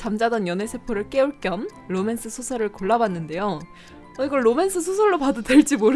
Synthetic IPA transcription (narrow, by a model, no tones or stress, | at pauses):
t͡ɕamd͡ʑadʌnjʌne̞sʰepʰɯɾɯɭk͈e̞uɭk͈jʌmɾome̞nsʰɯsʰusʰʌɾɯɭkoɭːabanːɯnde̞jo | ʌiɡʌɭːomensʰɯsʰusʰoɭːopadʌdweɭt͡ɕ͈imoɾɯ